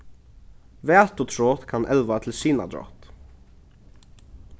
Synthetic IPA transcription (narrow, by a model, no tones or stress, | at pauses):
ʋeːt̪ʊt̪ʰɹoːt̪kʰɑnʔɛlʋat̪ʰl̩siːna̰d̪ɾo̰ːt̪